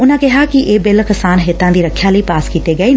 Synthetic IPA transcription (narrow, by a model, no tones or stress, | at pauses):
ʊnãkeɦakiʔeːbelkɐsaːnɦet̪ãnd̪iːɾɐkʰjalɐipaːskiːt̪eɡɐe